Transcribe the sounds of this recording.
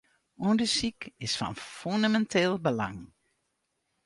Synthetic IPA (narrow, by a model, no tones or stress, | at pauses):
undəsikɪsfɑ̰nfyndamɛntʰeːlˠbəla̰ŋ